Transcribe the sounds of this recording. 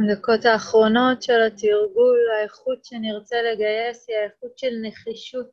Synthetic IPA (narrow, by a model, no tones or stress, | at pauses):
nd̪ako̞t̪aːχʁo̞no̞t̪ʃelat̪iʁɡulaeχut̪ʃeniʁt͡seleɡaje̞siaeχut̪ʃelneχiʃut̪